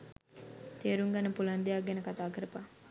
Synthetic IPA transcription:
t̪eːɾuŋɡɐnəpuland̪eaɡenəkat̪aːkəɾəpa

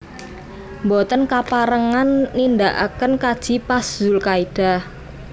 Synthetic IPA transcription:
mbɔt̪ənkapaɾəŋanːind̪aʔa̰kənkad̥ʒ̥i̤pasz̥ulkaid̥a̤

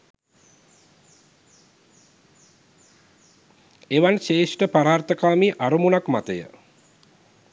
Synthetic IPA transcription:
eʋanʃeːʂʈəpaɾaːrt̪əkaːmiʔaɾumunakmat̪əjə̰

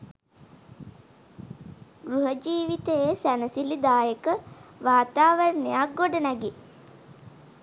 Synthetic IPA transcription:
ɡɾuɦəd͡ʒiːʋit̪eesænəsilid̪aːjəkəʋaːt̪aːʋəɾənejaɡoɖənæɡi

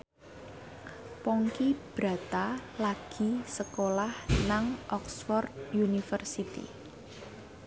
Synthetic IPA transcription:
pɔŋkib̥ɾa̤t̪alaɡ̥i̤səkolahnaŋʔɔksfɔrd̪junifərsit̪ḭ

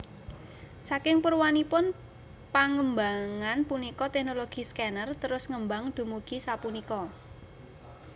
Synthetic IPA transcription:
sakɪŋpərwanipʊn | paŋəmbaŋanpunikɔt̪ɛknoloɡ̥i̤skɛnərt̪əɾʊsŋəmbaŋd̪̥ṳmuɡ̥i̤sapunikɔ

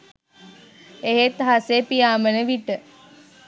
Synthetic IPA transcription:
eɦet̪ɦasepijaːmənəʋiʈə

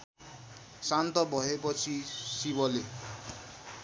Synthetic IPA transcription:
sant̪ɔbʱɔɦepɔt͡sʰisiβɔle

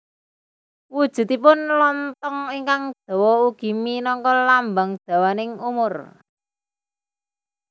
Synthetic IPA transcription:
wud̥ʒ̥ṳt̪ipʊnlɔnt̪ɔŋiŋkaŋd̪̥ɔ̤wɔuɡ̥i̤minɔŋkɔlambaŋd̪̥a̤wanɪŋumʊr

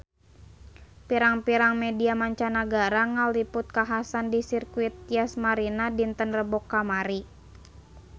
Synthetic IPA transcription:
piɾaŋpiɾaŋmɛdiamaɲt͡ʃanaɡaɾaŋalipʊt̪̚kaɦasandisirkuit̪̚iasmaɾinadint̪ənrəbɔkːamaɾi

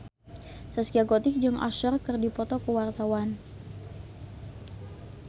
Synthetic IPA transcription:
saskiaɡɔt̪ɪk̚d͡ʒʊŋʔa̰ʃɔrkərdipɔt̪ɔkəwart̪awan

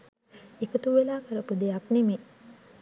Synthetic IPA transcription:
ekət̪uʋelaːkəɾəpud̪ejakneme

